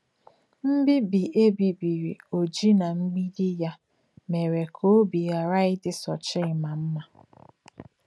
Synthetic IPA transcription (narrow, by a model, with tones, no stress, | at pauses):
m̩˦bi˦bi˨ʔe˦bi˨bi˨ɾḭ˨o˨d͡ʒi˦na˨m̩˦ɡ͡bi˦di˦ja˦ | me˨ɾe˨kʰo˦o˦bi˨ja˨ɾa˦ɪ˦dɪ˦sɔ˨t͡ʃɪ˦ɪ˨ma˨m̩˦ma˦